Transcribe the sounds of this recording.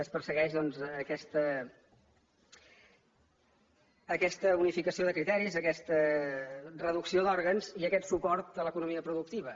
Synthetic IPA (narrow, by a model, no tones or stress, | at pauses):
əspəɾsəɣɛʒðɔnzːkɛst̪ə | kɛst̪əunifikəsioðəkɾit̪ɛɾizəkɛst̪ə | rəðuksioðɔɾɣənziəkɛt̪supɔɾt̪̚ələkunumiəpɾuðuk̚t̪iβ̞ə